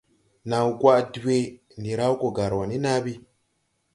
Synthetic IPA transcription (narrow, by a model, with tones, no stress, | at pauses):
na˨u˨kwa˦˨dwe˦ | ni˨ɾa˦u˦ko˨ɡa˨ɾwa˨ni˦na˦βi˦